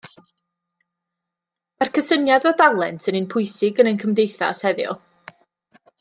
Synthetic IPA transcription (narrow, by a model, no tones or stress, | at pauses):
arkʰəsənjadɔdalˠɛntʰənənpʰʊɨsɪɡənənkʰəmdejθa̰shɛðjɔ̰